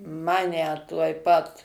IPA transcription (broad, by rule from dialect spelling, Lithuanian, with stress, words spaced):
ˈmɑːnʲɛ tuɔj ˈpɐt